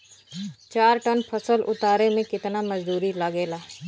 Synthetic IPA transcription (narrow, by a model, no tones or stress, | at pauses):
t͡ʃaːɾʈənpʰɐsəlʔʊt̪aːɾemẽkɪt̪namɐzd̪uːɾilɐɡeːlaː